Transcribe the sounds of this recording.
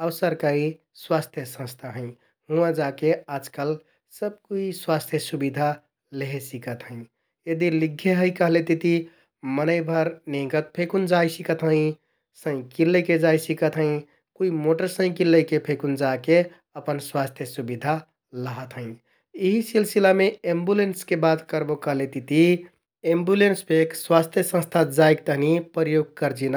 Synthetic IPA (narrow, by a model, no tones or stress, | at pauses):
əwsəɾkəɾi | swast̪ʰjəsə̃st̪ʰaɦə̃ | ɦũãd͡ʒakead͡ʒkəl | səb̚kuiswast̪ʰjəsubid̪ʱa | leɦesikət̪ɦə̃ɪ̃ | jed̪iliɡʱːeɦəɪkəɦlet̪it̪i | mənəɪbʱəɾneɡət̪̚pʰekund͡ʒaisikət̪ɦə̃ɪ̃ | sə̃ɪ̃kilːəked͡ʒajsikət̪ɦə̃ĩ | kuimoʈəɾsə̃ĩkilːəjkepʰekund͡ʒake | əpənswast̪ʰjəsubid̪ʱa | ləɦət̪ɦə̃ɪ̃ | iɦisilsilameembulenskebat̪kəɾbokəɦlet̪it̪i | embulenspʰekswast̪ʰjəsə̃st̪ʰad͡ʒajk̚t̪əɦnipəjoɡ̚kəɾd͡ʒina